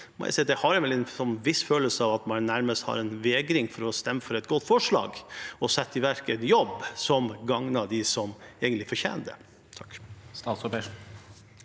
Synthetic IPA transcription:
mɔ̰æ̰sɛd̪d̪ɛhɑɾɛʋɛlɛnsɔnʋɪsføːləsəɑʋɑt̪mɑnnæɾməst̪hɑ̰ɾɛnʋeːɡɾɪŋfɔɾɔst̪ɛmːəfɔɾɛɪt̪̚ɡɔt̪ːfɔʂɭɑ̰ːɡɔsɛt̪ːɪʋæɾkənjɔbsɔmɡɑŋnɑd̪ɪsɔmɛɡənlɪfɔɾçḛːnd̪ə̰ | t̪ʰkst̪ɑːt̪sɔpe

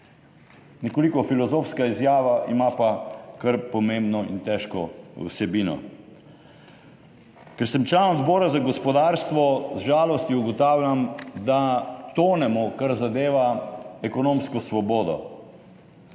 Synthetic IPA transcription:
nɛkolikɔfilɔzofskaizjaːʋaʔimapakəɾpɔmẽmbnɔḭnt̪ɛʃkɔṵsɛbiːnɔ̰ | kɛɾsɛmt͡ʃlanɔd̪bɔːɾazaɡɔspɔd̪aːɾst̪ʋɔzʒaːlɔst̪jiuɡɔt̪aːwlʲamd̪at̪oːnɛmɔkaɾzad̪eːʋaɛkɔnõmskɔsʋɔbɔːd̪ɔ̰

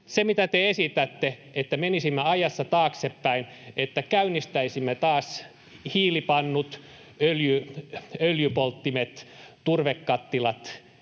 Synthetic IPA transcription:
semit̪æt̪eesit̪æt̪ːeet̪ːæmenisimːeɑjɑsːɑt̪ɑːksepːæinʔet̪ːækæynːˑist̪æisimːet̪ɑːs | hiːlipɑnːut̪ | øljyøljypolt̪ːimet̪t̪urʋekːɑt̪ːilɑt̪

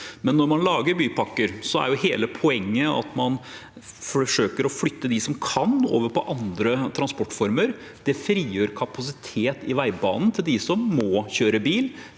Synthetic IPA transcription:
mɛnːɔɾmɑnlɑːɡəɾbyːpɑkːəɾsɔæ̰ɾjʊɦeːləpʰɔɛŋːəɑ̰t̪mɑn | fɔʂøːkəɾɔflʏt̪ːəd̪ɪsɔmkʰɑno̰ːʋəɾpʰɔ̰ʔɑnd̪ɾət̪ʰɾɑnspɔʈːfɔɾməɾ | d̪̥ɛfɾiːjøːɾkʰɑpɑs̬ɪt̪ʰeːt̪ɪʋæɪbɑ̰ːnn̩t̪ʰɪld̪ɪsɔmːɔçøːɾəbiːl

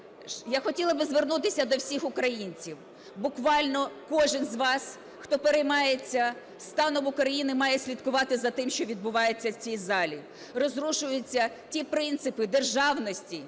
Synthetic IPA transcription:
jaxɔtʲilˠɐbɪzʋernut̪ɪsʲɐd̪ɔwsʲixʊkɾɐjinʲt͡sʲiw | bʊkʋɑlʲnɔkɔʒɪnzʋɑs | xt̪ɔpeɾejmɑjet͡sʲːɐ | st̪ɑnɔʋʊkɾɐjinɪmɑjesʲlʲid̪kʊʋɑt̪ɪzɐt̪ɪmʃt͡ʃɔʋʲid̪̚bʊʋɑjet͡sʲːɐwt͡sʲijzɑlʲi | rɔzɾuʃʊjʊt͡sʲːɐ | tʲipɾɪnt̪sɪpɪd̪erʒɑwnɔsʲtʲi

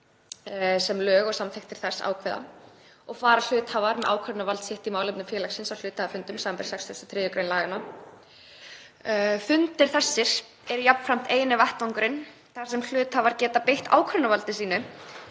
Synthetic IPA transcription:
sɛmlœːɣɔɣsamθehkt̪ʰɪɾ̥θɛ̥sːa̰wkʰvɛða̰ | ɔɣfaːɾal̥ʏːt̪haːvaɾmɛðʔa̰ːwkʰœɾnavalt̪sjɪht̪imaːwlɪpnʏmfjɛːlaksɪnsawl̥ʏːt̪haːðafʏnt̪ʏmsaːampɛɾ̥sɛksɛsḁt̪ʰɾɛːjʏkɾeːjnlaːɣana | fʏnt̪ɪɾ̥θɛsːɪɾ̥ | ɛɾʏjapn̥fɾam̥t̪eːjnɪvaht̪aŋkɾɪn | θaɾ̥sɛml̥ʏːt̪haːvaɾ̥cɛːt̪apejht̪a̰ːwkʰɾœɾnavalt̪ɪs̬iːnʏ

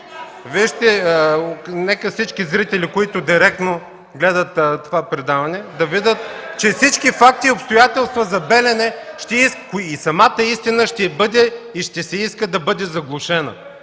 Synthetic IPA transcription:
viʃt̪ɛ | nɛkəfsit͡ʃkizɾit̪ɛlikoit̪ʊd̪iɾɛk̚t̪no | ɡlɛd̪ət̪ːt̪ovapɾɛd̪avɐnɛd̪ɐvid̪ət̪t͡ʃɛfsit͡ʃkifak̚t̪iʊpst̪ʊjat̪ɛlˠst̪vəzɐbɛlɛnɛʃt̪ɛiskisɐmat̪əist̪inəʃt̪ɛbɤd̪ɛiʃt̪ɛsɛiskəd̪ɐbɤd̪ɛzɐɡlˠʊʃɛnɐ̰

